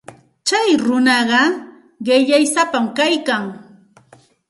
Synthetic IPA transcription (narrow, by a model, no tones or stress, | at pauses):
t͡ʃajɾʊnɑɢɑ | ɢɪʎajsapamkajkaŋ